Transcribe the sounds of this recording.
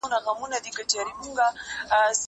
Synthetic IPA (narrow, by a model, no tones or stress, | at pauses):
unakamunad̪ikat͡ʃaɾimuŋɡas